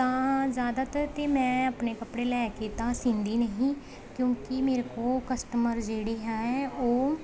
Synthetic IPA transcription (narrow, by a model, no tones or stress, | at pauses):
t̪ãːzjaːd̪aːt̪əɾt̪eːmɛ̃ːəpneːkəpɽeːlɛːket̪ãːsĩnd̪iːnəɦĩː | kjõːkɪmeːɾekoːkəsʈəməɾd͡ʒeːɽeːɦɛːoː